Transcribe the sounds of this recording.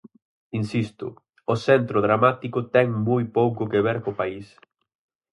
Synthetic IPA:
insist̪ʊ̰ | ʊsɛnt̪ɾoðɾamat̪ikʊt̪ɛŋmojpowkʊkeβ̞ɛɾkopais

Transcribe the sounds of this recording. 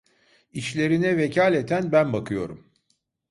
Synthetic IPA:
iʃlʲe̞ɾinɛvecʰalʲet̪ʰænbænbakʰɯjo̞ɾum

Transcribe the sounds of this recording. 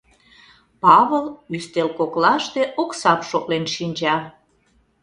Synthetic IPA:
pɑβəlyst̪elkoklɑʃt̪eʔoksɑpʃoklenʃinʲd͡ʑɑ

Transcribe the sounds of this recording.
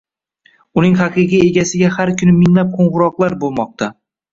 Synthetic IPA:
ʊnɪŋɦɑqɨqije̞ɡʲasɪɡʲahaɾkʲʰʊnɪmɪŋlap̚qʰoɴʁʊɾɒqlˠaɾbolˠmɒq̚t̪ʰa

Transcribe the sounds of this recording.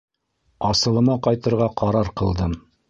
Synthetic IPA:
ɑsɤ̆lˠɤ̆nɑqɑjt̪ɤ̆ɾʁɑqʰɑɾɑɾqɤ̆lˠd̪ɤm

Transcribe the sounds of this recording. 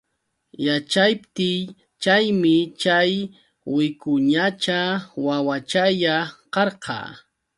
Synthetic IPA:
jat͡ʃajpt̪ɪj | t͡ʃajmɪt͡ʃaj | wɪkʊɲat͡ʃawawat͡ʃajaqɑɾqɑ̰ː

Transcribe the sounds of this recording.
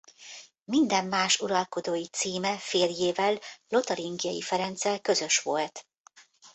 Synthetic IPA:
mind̪ɛmːaːʃuɾɒlko̞d̪oːjit̪siːmɛfeːljeːvɛlːo̞t̪ɒɾiŋɡijɒjḭfɛɾɛnt̪sɛlkø̞zø̞ʃʋo̞lt̪

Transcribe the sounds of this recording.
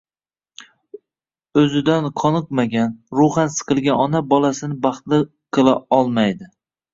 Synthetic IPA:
ɵzɪd̪anqʰɒnɨqmaɡʲanɾʊχansɨ̥qʰɨlˠɡʲanɒnabɒlasɪnɪbɑχt̪lɪ | qʰɨlˠaɒlˠmajd̪ɪ

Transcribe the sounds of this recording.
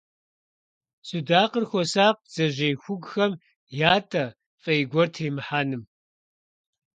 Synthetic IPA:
sʼudaːqərxʷɔsaːq̚z̥ɐʑejxʷʊɡxɐm | jaːtʰʼɐ | fʼɐjɡʷɔrtʰeːmɨħaːnɨm

